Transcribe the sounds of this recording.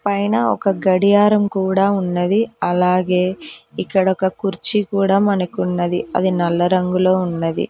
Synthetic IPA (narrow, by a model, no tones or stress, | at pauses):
pɐjnɐɔkɐɡɐɽijaːɾɐmkuːɽaːunːɐd̪iɐlaːɡe̞ːikːɐɽɐɔkɐkuɾt͡ʃikuːɽaːmɐnɐkunːɐd̪iɐ̰d̪inɐlːɐɾɐŋɡulo̞ːunːɐd̪ḭ